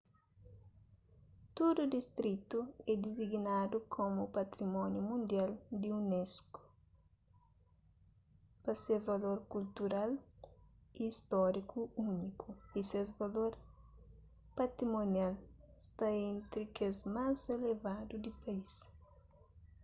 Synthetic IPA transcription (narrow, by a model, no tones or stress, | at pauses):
t̪ud̪ud̪ist̪ɾit̪uɛd̪iziɡnad̪ukʰomupat̪ɾimɔnjumũnd̪jald̪iunɛsku̥ | pɐsevaloɾkult̪uɾal | iːst̪ɔɾikʰuunikuisezvaloɾ | pat̪ɾimonjalst̪aẽnt̪ɾikezmazelevad̪ud̪ɪpɐis